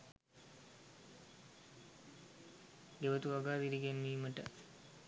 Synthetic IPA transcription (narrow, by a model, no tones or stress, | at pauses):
ɡeʋət̪uʋaɡaːʋiɾiɡenːiːməʈə